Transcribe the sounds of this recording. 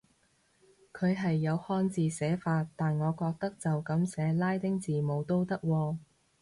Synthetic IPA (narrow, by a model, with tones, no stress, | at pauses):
kʰɵ˨˧ɥɦɐ˨jːɐ˨˧whɔː˥nt͡siː˨˧sɛː˨˥faː˧t̪ːaː˨nŋɔː˨˧kɔː˧k̚t̪ɐ˥k̚t͡sɐ˨wkɐ˨˥msɛː˨˧laː˥jt̪ɪ˥ŋt͡siː˨˩mo˨˧wt̪o˥wt̪ɐ˥k̚wɔː˧